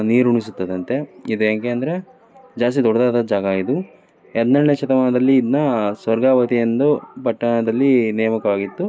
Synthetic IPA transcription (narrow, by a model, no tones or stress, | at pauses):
niːɾuɳisut̪ːɐd̪ɐnt̪e̞id̪ueːkeɐnd̪ɐɾe | d͡ʒaːs̬t̪id̪ɔɽɐd̪aːd̪ɐd͡ʒaːɡɐaːid̪u | ɛdnɐɳːeʃɐt̪ɐmaːnɐd̪ɐlːiːd̪nɐsʋɐɾɡaːʋɐt̪ijɐnd̪upɐʈːɐɳɐd̪ɐlːineːmɐkɐʋaːɡit̪ːu